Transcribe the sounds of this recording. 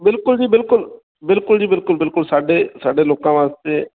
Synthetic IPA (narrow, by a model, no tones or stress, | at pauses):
bɪlkʊld͡ʒiːbɪlkʊl | bɪlkʊld͡ʒiːbɪlkʊlbɪlkʊlsaːɖeːsaːɖeːloːkãːʋãːst̪eː